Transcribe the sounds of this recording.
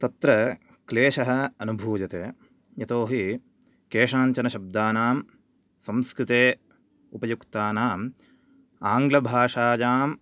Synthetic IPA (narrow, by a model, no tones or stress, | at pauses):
t̪ɐt̪ɾɐ | kleːʃɐɦɐ̆ɐnubʱuːd͡ʒɐt̪eː | jɐt̪oːɦi | keːʂaːɲt͡ʃɐnɐʃɐb̚d̪aːnaːm | sɐmskɾɪt̪eː | upɐjukt̪aːnaːm | aːŋɡlɐbʱaːʂaːd͡ʒaːm